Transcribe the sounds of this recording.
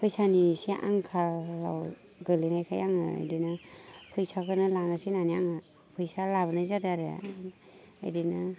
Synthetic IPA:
pʰɯjsanisiʔa̰ŋkʰala̰w | ɡɯlinajkʰajaŋɯa̰jdinapʰɯjsakʰɯnɯlanasinaniaŋɯ | pʰɯjsalabɯnazadaɾḛ | a̰jdina

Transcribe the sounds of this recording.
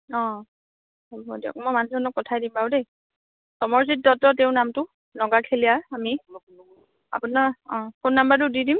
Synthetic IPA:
ɔ̃ | ɔbɔdiɔ̰k̚mojmanuɔnɔkːɔtʰajdimbaʊdej | sɔmɔɹsit̚dɔtɔteʊ̃namtʊ | nɔɡakʰelijaami | a̰punaɔ̃konːambaɹt̬ʊdidim

